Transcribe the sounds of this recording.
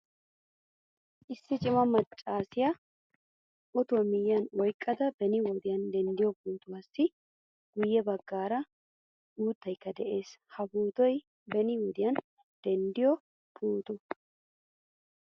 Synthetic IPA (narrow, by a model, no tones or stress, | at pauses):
ʔɪsːɪt͡ʃʼɪmɐmɐt͡ʃʼːaːsɪjɐ | ʔɔt̪ʊwɐmɪjːɐnwɔjkʼːɐd̪ɐbɛnɪwɔd̪ɪjɐnd̪ɛnd̪ɪjɔpuːt̪ʊwaːsːɪ | ɡ̥ʊjːɛbɐɡːaːɾɐ | uːt̪ːɐjkːɐd̪ɛʔe̞ːshɐbuːt̪ɔj | bɛnɪwɔd̪ɪjɐn | d̪̥ɛnd̪ɪjɔ | pʰuːt̪ʊ